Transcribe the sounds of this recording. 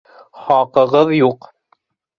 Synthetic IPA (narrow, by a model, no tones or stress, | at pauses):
χɑqɤ̆ʁɤðjuq